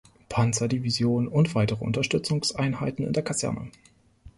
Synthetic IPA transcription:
pʰant͡sɐdivizjoːnənʊntv̥aɪtəʁəʔʊ̰ntɐʃtʏt͡sʊŋsʔaɪnɦaɪtn̩ɪ̰ndeɐkʰazɛ̰ɐnʔə̰

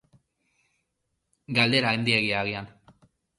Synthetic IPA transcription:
ɡald̪e̞ɾaend̪ieɣiaɣ̞ian

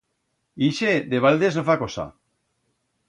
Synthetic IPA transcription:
iʃed̪eβald̪eznofakosa̰

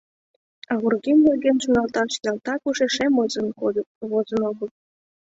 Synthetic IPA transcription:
ɑɣurɡimleɡʲenʃunɑlt̪ɑʃjɑlˠt̪ɑkuʃeʃemznβozə̆noɡə̆l̚

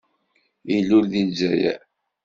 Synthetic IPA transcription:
ilːʊɾðid͡ʒːæjæ̰

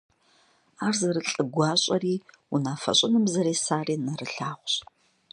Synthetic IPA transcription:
aːrzɐɾɨɬʼɨɡʷɑːɕʼɐriː | unaːfɐ̰ɕʷʼɪnɨmzɐɾeːsaːriːnɐrɨɬaːχʷɕ

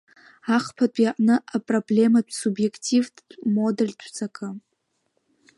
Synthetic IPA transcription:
aχpʰat͡pʷʼjaʔʼnɨʔapʼroblʲe̞madʷʰʼsubje̞kʰʼtʰʼivdmodɨrʲtʰʷt͡sʰʼakʼɨ

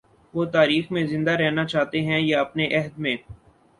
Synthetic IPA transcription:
ʋoːt̪aːɾiːxmẽzɪ̃nd̪aɾɛɦnat͡ʃaːɦt̪eɦɛ̃jaɐpneʔɛɦd̪mẽː

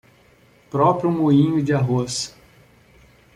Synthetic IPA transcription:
pɾɔpɾjʊmuĩɲʊd͡ʒɪaɦos

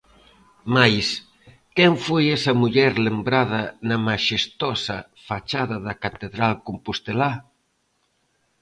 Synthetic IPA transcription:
majs | kɛɱfojɛsɐmuʎɛɾlembɾaðɐnɐmaʃest̪ɔsɐ | fat͡ʃaðɐðɐkat̪eðɾalkompust̪ela

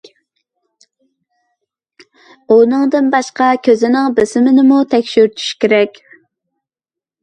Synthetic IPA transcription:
unɨŋd̪ɨnbɑʃqɑkʲʰøzɪnɪŋbɪsɪmɪnɪmut̪ʰɛkʲʃyɾt̪ʰy̥ʃkʲeɾɛkʲ

